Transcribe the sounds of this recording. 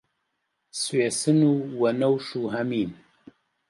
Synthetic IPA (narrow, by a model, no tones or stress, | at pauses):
sweːsɨnuːwɐnɐwʃuːɦɐmiːn